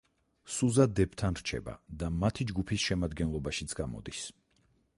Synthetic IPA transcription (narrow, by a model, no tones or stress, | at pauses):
suzad̪ɛbt̪ʰanɾ̥t͡ʃʰɛ̰ba̰d̪amat̪ʰid͡ʒɡupʰisʃɛmad̪ɡɛnlˠɔbaʃit̪sʰɡamɔ̰d̪is